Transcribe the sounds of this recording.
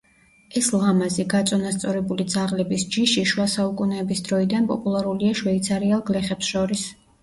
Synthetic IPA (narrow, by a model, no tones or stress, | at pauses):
ɛslˠamaziɡat̪sʼɔnast̪sʼɔɾɛbulid̪zaʁlɛbisd͡ʒiʃiʃwasaukʼunɛːbisd̪ɾɔid̪anpʼɔ̰pʼulˠaɾuliaʃwɛit̪sʰaɾialˠɡlɛχɛpsʃɔɾis